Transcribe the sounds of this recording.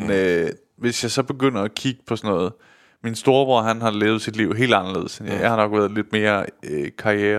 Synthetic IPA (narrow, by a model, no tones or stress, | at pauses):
nø | ʋe̝sjɑ̈ɪsɒ̽b̥e̝ɡ̥øn̰ɐækʰiɡ̥əpʰɒ̽sɒnɔ̽ːð̞̩ˠ | minsd̥o̝ːɐb̥ɒɦænɦɑ̈leːʊð̞̩ˠsid̥liʊɦe̝̰ːld̥ɑnɐle̝ðˠsenjjɑɪhɑ̈nɒ̽ɡ̥ʋæːɐð̞̩ˠle̝d̥̚me̝ːɐøkʰɑ̈ieːɐ